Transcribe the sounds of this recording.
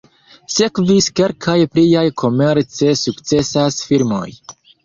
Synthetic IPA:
se̞kviske̞lkʰajplijajkʰo̞me̞ɾt͡se̞sukt͡se̞sasfiɾmo̞̰j

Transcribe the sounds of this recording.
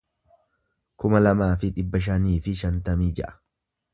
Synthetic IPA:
kʊmɐlɐmaːfɪᶑɪbːɐʃ̬ɐniːfɪʃɐnt̪ɐmiːd͡ʒɛ̰ʔɐ̥

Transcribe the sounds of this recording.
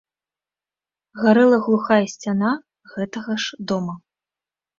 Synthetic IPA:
ɣaɾɨlˠɐɣlˠuxajɐsʲt͡sʲana | ɣɛt̪ɐɣɐʂd̪ɔmɐ

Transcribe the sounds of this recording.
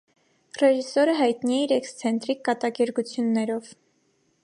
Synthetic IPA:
rɛʒisɔɾəɦɑjt̪niɛiɾɛkst͡sʰɛnt̪ɾikːɑt̪ɑkɛɾɡut͡sʰjunːɛɾɔv̥

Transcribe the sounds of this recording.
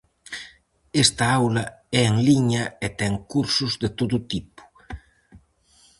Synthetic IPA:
est̪aawlɐɛeŋliɲɐet̪ɛŋkuɾsuzd̪et̪oðut̪ipu̥

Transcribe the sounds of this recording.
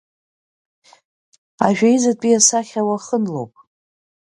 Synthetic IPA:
aʒᶣajzatʼiasaχʲawaχənlowpʼ

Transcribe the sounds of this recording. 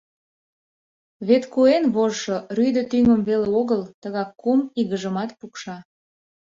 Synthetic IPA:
βet̪kuenβoʒʃoryjd̪ət̪yŋəmβeleoɣəlt̪əɣɑkːumiɣəʒəmɑt̪pukʃɑ

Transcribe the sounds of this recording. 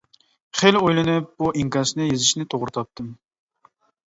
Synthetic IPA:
χelojlˠɪnɨp̚b̥uʔiŋkɑɾʃnɪjezɪʃnɪt̪ʰoʁɾɨt̪ʰɑp̚t̪ɨm

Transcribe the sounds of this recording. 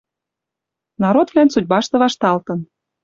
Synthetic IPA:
nɑɾod̪vlænsud̚ʲbɑʃt̪ɤ̆βɑʃt̪ɑlt̪ɤ̆n

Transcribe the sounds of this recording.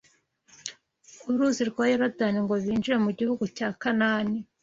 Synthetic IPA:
uɾuziɾɡwajeɾodaniŋɡoβiːnd͡ʒiɾe̞muɟihuɡucaːkanaːni

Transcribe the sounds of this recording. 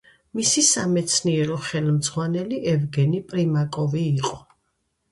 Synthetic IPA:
misisamɛt̪sʰniɛɾɔχɛlmd̪z̥ʁwanɛliʔɛvɡɛnipʼɾimakʼɔviːqʼɔ

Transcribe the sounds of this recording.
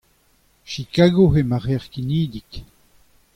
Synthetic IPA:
ʃikaɡoɦemaʁɛʁkiniːd̪ik

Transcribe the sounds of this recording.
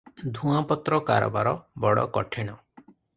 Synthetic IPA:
d̪ʱũapɔt̪ɾɔkaɾɔ̰baɾɔbɔɽɔ̰kɔʈʰeɽ̃ɔ

